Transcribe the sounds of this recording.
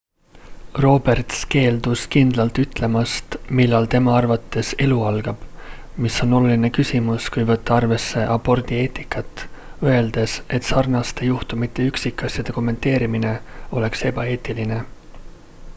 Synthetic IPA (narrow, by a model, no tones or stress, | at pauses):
ro̞ːb̥e̞rt̪ske̞ːld̪uskind̪lɑlt̪yt̪ːˑle̞mɑst̪milːɑlt̪e̞mɑɑrvɑt̪ːe̞se̞luɑlɡ̥ɑb̥ | miso̞no̞luline̞kysʲimuskujvɤt̪ːɑɑrve̞sːe̞ʔɑpːo̞rd̪ie̞ːt̪ːˑikːˑɑt̪ːˑøe̞ld̪̥e̞se̞t̪ːˑsɑrnɑst̪e̞juht̪umit̪ˑːe̞yksikˑːɑsʲjɑd̪̥e̞ko̞mːe̞nt̪e̞ːɾimine̞o̞le̞kse̞b̥ɑe̞ːt̪ːˑiline̞